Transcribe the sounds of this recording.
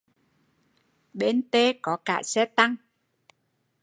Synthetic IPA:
ɓe˧nt̪e˧kɔ˨˦kaː˧˩sɛ˦˥t̪a˧ŋ

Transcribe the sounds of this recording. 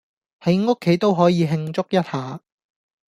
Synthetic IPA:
hɐ˨˥jŋʊ˥kʰːe˨˥jt̪o˥wɦɔː˨˥jiː˨˧ɦɪ˧ŋt͡sʊ˥k̚jɐ˥t̚haː˨

